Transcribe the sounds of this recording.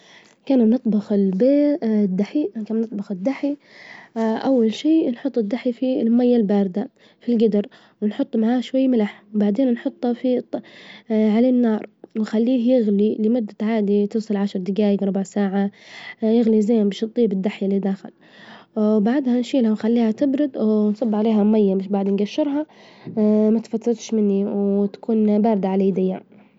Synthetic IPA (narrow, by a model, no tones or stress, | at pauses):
kaːnnɨt̪ˤbɑxɪlbeːd̪ːaħikaːmnɨt̪ˤbɑxɪd̪ːaħi | ʔawːalʃiːnħʊt̪ˤːɪd̪ːaħifilmajːalbaːɾd̪a | filɡɪd̪ɪɾ | wɪnħʊt̪ˤːmaʕaːʃwajːmɪlaħwbaʕd̪eːnnħʊt̪ˤːɑfi | ʕalanːɑːɾˤwxalːiːɦjɪɣlilɪmʊd̪ːaʕaːd̪it̪ɨːsˤɨlʕaʃɾˤd̪ɪɡaːjɪɡɾˤʊbaʕsaːʕajɪɣlizajanbɪʃt̪ˤːiːbɪd̪ːaħjalːid̪axɪ̰l | baʕd̪hanʃiːlhawxalːiːhat̪ɪbɾʊd̪wnsˤɑbːʕaleːɦamajːamɪʃbaʕd̪nɡaʃːɪɾɦɑ | mat̪fat̪ːɑɾˤɑt̪ʃmɪnːiwt̪ḁkuːnbaːɾd̪aʕalaːd̪ɪjːa